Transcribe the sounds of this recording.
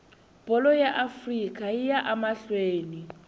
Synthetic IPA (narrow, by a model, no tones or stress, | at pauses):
b̥ʱɔlɔjaʔafrikʼajijaʔamaɬweːni